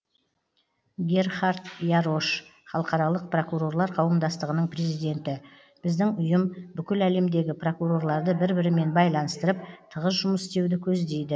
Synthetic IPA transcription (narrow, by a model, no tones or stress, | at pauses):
ɡʲe̞rχɑɾt̪jaɾo̞ʃχɑlˠəqɑɾɑlˠəq̚pro̞kuɾo̞rlˠɑɾqʰɑwəmd̪ɑst̪əʁənəɴpre̞zijd̪e̞nt̪ɪ | b̥ɪzd̪ɪŋʊjəmbʏkʲɪlæle̞md̪e̞ɡʲɪpro̞kuɾo̞rlˠɑɾd̪əbɪɾbɪɾɪme̞nbɑjlˠɑnəst̪əɾəp̚t̪ʰəʁəsʒʊməsst̪e̞wd̪ɪkʲʰɵzd̪e̞jd̪ɪ